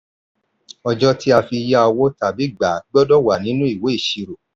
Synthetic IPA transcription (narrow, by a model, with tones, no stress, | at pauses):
ɔ˧d͡ʒɔ˦ti˦a˧fi˧ja˧ɔ˧wo˦ta˨bi˨˦ɡ͡ba˨ɡ͡bɔ˦dɔ˦˨wa˨nĩ˦nũ˦i˦˨we˨˦i˦˨ʃi˧ɾo˨